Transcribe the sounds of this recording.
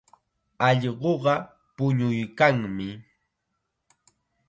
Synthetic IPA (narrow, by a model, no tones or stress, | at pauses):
ɑʎɢoɢɑ | pʊɲʊjkaŋmɪ